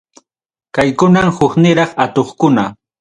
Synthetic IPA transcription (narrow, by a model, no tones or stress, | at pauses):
kajkʊnamhʊknɪɾɑχat̪oχkʊna